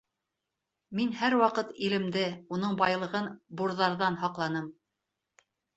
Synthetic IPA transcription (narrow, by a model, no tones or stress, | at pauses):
minhæɾwɑqɤt̪ilɘ̆md̪ɘun̪ɤɴbɑjlˠɤ̆ʁɤnbuɾðɑɾðɑnhɑqlˠɑn̪ɤm